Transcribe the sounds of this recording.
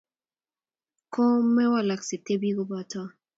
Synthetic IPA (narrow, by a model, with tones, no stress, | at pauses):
ko˦mɛ˦wa˦˨la˨ksɪ˨te˦bi˦ɡo˦ba˨tɔ˦